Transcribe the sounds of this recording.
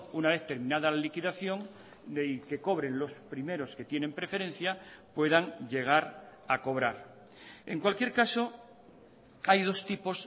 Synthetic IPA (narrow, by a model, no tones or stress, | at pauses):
unaβe̞θt̪e̞ɾmĩnaðalalikiðaθjo̞ŋ | ke̞ko̞β̞ɾe̞nlo̞spɾime̞ɾo̞ske̞t̪je̞nẽ̞mpɾe̞fe̞ɾe̞n̟θjapwe̞ðaŋʎe̞ɣ̞aɾako̞β̞ɾaɾ | e̞ŋkwalkje̞ɾkaso̞ | ajðo̞st̪ipo̞s